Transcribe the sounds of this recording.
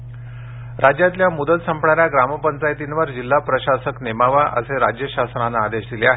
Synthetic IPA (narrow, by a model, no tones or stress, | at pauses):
ɾʔad͡ʑjat̪ljamud̪ət̪səmpɳaɾjaɡɾaməpənt͡sajt̪inʋəɾd͡ʑilːapɾəɕasəknemaʋaʔə̰seɾad͡ʑjəɕasnanaːd̪eɕd̪ileaɦe